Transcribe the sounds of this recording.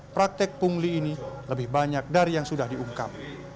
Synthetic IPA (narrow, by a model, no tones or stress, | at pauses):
pɾak̚t̪ɛk̚puŋliːniləbɪhbaɲak̚daɾijaŋsudahdiuŋka̰p̚